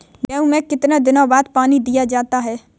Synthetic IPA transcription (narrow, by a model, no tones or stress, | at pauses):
mɛ̃ːũmɛ̃ːkɪt̪nad̪ɪnãːbaːd̪̚paːnid̪ijad͡ʒaːt̪aɦɛː